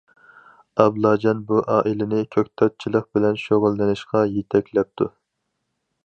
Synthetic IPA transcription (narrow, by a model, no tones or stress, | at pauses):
ɑblˠɑːd͡ʒɑnbuʔɑːʔilɪnɪkʲʰøk̚ʲt̪ʰɑt̪̚t͡ʃʰilˠəq̚bɪlɛnʃoʁʊlˠːɨnɨʃqɑjet̪ʰɛkʲlɛp̚t̪ʰu